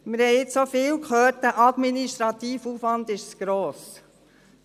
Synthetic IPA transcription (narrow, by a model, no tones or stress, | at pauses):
mɪɾhɛɪɪt͡ssofɪːwkhøːt̚d̥æʔɑd̪miniʃt̪ɾɑt̪iːfufʋɑnd̪ɪʃsɡ̥ɾoːs